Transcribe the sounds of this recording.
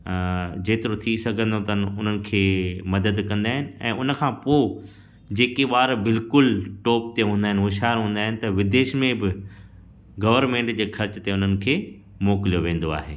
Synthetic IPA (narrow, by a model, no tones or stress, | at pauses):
d͡ʑeːt̪ɪɾot̪ʰisɐɡʱə̃nd̪ot̪ɐnʊn̤ənɪ̆kʰeːmɐd̪əd̪kɐ̃nd̪aːɦɪnɪ̆ɛ̰̃ːʊnə̆kʰãːpoː | d͡ʑeːkeʋaːɾbɪlkʊlʈoːp̚t̪eɦũːnd̪aːɦɪnɪɦʊʃaːɾɦũːnd̪aːɦɪnɪ̆t̪ɐʋɪd̪eːʃmẽbɪ | ɡɐʋəɾmẽːɳʈd͡ʑeːxɐɾt͡ɕət̪eʊn̤ənɪ̆kʰeː | mɔːkɪlijoʋẽːnd̪oa̰ːɦeː